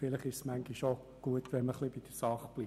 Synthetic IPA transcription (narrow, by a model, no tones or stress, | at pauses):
fɪləχɪʃsmæŋɡiʃo | ɡ̥uətʋɛnməχlibid̥əsɑχb̥liː